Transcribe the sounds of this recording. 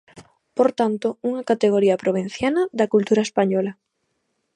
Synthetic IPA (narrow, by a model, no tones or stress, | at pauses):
poɾt̪ant̪ouŋɐkat̪eɣ̞oɾiɐpɾoβ̞in̟θjanɐðɐkult̪uɾɐespaɲɔlɐ